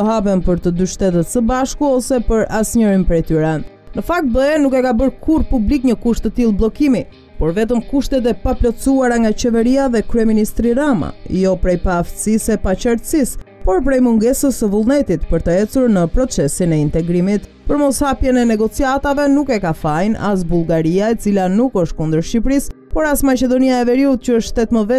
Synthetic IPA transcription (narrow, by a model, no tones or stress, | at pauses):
əɦap̬ɛmpəɾt̪əd̪yʃt̪ɛt̪ət̪səbaʃkuɔsɛpəɾasɲəɾimpɾɛjt̪yɾɛn | nəfak̚t̪̚bəɛnukɛkabəɾkʰuɾpublikɲəkuʃt̪ət̪ilˠblˠɔkimi | pɔɾvɛt̪̬əmkuʃt̪ɛt̪̬ɛpaplɔt͡suaɾaŋɡat͡ɕɛvɛɾiaðɛkɾyɛminist̪ɾiɾama̰jɔpɾɛjpaːft̪əsisɛpat͡ɕəɾt̪sis | pɔɾp̬ɾɛjmuŋɡɛsəsəvulˠnɛt̪it̪pəɾt̪əɛt͡suɾnəpɾɔt͡sɛsinɛint̪ɛɡɾimit̪ | pəɾmɔshapjɛnɛnɛɡɔt͡siat̪avɛnukɛkafajna̰s̬bulˠɡaɾiaɛt͡silanukəʃt̪̚kund̪əɾʃipɾis | pɔɾasmat͡ɕɛd̪ɔniaɛvɛɾiut̪̚cəəʃʃt̪ɛt̪məvɛ